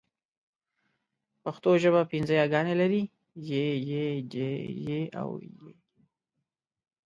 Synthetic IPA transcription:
paxt̪oʒəβapinzəjɑɡɑnelaɾi | jejed͡ʒejea̰wje

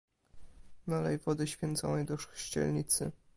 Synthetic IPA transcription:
nalɛ̰jvɔd̪ɘɕfʲjɛnt̪sɔ̰̃w̃jɛd̪ɔʂɕt͡ɕɛ̰lɲit̪sɘ̰

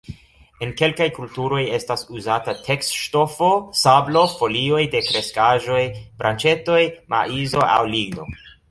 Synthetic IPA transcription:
e̞nke̞lkajkultuɾo̞je̞stasuzatatʰe̞kstʃto̞fo̞sablo̞fo̞lio̞jde̞kɾe̞skaʒo̞jb̥ɾʔant͡ʃe̞to̞jmʔa̰izo̞a̰wliɡno̞̰

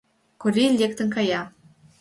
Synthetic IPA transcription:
kuɾʲilʲek̚t̪ə̆nkɑjɑ

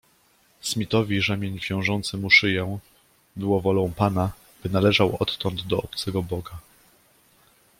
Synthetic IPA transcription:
smʲit̪ɔvʲiʐɛmʲjeɲvʲjɔ̃w̃ʐɔnt̪sɘmuʂɘjɛ̃ | bɘwɔvɔlɔ̃w̃pana | b̥ɘnalɛʐawɔt̪ːɔnd̪d̪ɔɔpt̪sɛɡɔbɔɡa

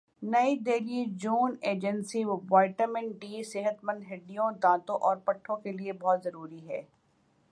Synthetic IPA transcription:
nɐid̪eːliid͡ʒuːneːd͡ʒə̃nsiwaːɪʈəmɛ̃ɳɖiːsɪɦət̪mɐ̃nd̪ɦɪɖijõd̪ãːt̪õʔɔːɾpɐʈʰːõkeliebɔɦːt̪zɐɾuːɾiɦɛ̰ː

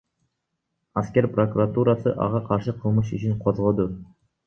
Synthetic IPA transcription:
askʲeɾʲprokuɾat̪uɾɑsɨʔɑ̰ʁɑqʰɑɾʃɨqʰəlˠmɯʃyt͡ʃʰynqʰozʁod̪u

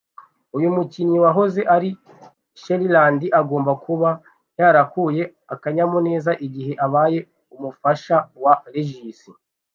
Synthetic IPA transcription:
ujumuciɲiwaɦo̞ze̞ʔaɾi | ʃeɾilaːndiʔaɡo̞ːmbakuβa | jaɾakuje̞ | akaɲamone̞ːzaʔiɟiɦe̞ʔaβaːje̞ | umufaʃawaɾeʒisi

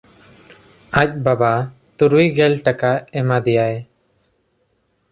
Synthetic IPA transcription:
ac̚ˀbaba | t̪uɾuijɡɛlʈakaɛmad̪ɛjaj

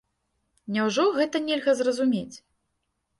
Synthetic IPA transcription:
nʲawʐɔɣɛt̪ɐnʲɛlʲɣɐzrɐzumʲet͡sʲ

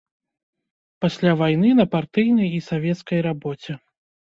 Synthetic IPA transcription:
pasʲlʲavajnɨnɐpart̪ɨjnɐjisavʲɛt̪skɐjɾabɔt͡sʲɛ

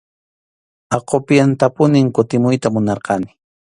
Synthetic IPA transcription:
ɑqopjant̪apʊnɪŋkʊt̪ɪmʊjt̪amʊnɑɾqɑnɪ̥

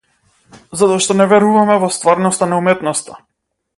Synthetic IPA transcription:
zat̪ɔaʃt̪ɔnɛvɛɾuvamɛvɔst̪vaɾnɔst̪anaumɛt̪nɔst̪a

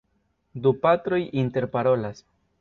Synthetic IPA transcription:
dupatɾo̞jinte̞ɾpaɾo̞las

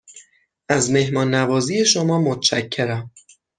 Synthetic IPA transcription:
ʔæzme̞hmɒːnːævɒːzije̞ʃomɒːmot̪ʰt͡ʃæcʰːe̞ɾæm

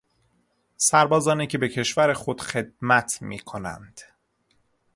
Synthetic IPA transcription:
sæɾbɒːzɒːniːcʰe̞be̞cʰe̞ʃvæɾexo̞d̪̥xe̞d̪̚mæt̪ʰmḭːkʰonæ̰nd̪̥

